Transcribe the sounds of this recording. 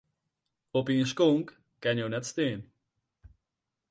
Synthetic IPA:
opiŋʃkoŋkː | ɛɲonɛt̪st̪eːn

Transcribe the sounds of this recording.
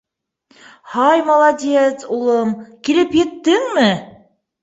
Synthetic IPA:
hɑjmɑlˠɑdʲet̪sulˠɤmkilɘpjɘ̆t̪ːɘŋmɘ

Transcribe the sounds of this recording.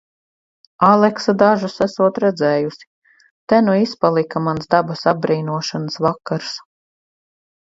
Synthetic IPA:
alˠɛksad̪aʒusæsuɔt̪ɾɛd̪zɛːjusi̥ | t̪ɛnuispalˠikamansd̪abasabɾiːnuɔʃanəsvakːaɾs

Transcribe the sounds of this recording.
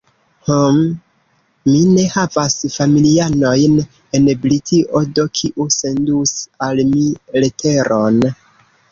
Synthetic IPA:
homː | ine̞havasfamiliano̞jn | e̞nblitʰiʔodokʰiʔuse̞ndusalmiletʰe̞ɾo̞n

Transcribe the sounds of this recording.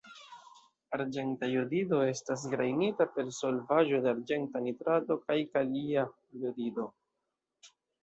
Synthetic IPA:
aɾd͡ʒe̞ntajodido̞e̞stas̬ɡɾajnitape̞ɾso̞lvaʒo̞deaɾd͡ʒe̞ntanitɾado̞kajkalia | jodido̞

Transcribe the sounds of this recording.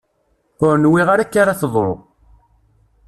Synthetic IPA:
ʊɾnwiʁaɾækːaɾaθðˤɾo̰ʁ

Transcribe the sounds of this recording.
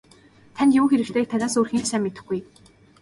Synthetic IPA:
t̪ʰanʲt̪jʊːxeɾɘ̆kt̪ʰeːk̚t̪ʰanaːsuːrxiːnsaːmːet̪ɘ̆xɡuj

